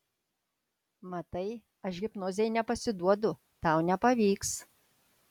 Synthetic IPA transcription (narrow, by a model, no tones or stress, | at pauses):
mɐt̪ɐɪ | ɐʃɡʲɪpnoːzʲɛjnʲɛpɐsʲɪd̪uɔd̪ʊ | t̪ɑˑʊnʲɛpɐʋʲiːks